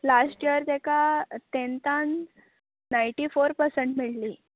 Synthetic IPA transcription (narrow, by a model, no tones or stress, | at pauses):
lasʈiəɾt̪ɛkat̪ent̪anː | ajɳʈifoɾpəɾsəɳʈmiɭliː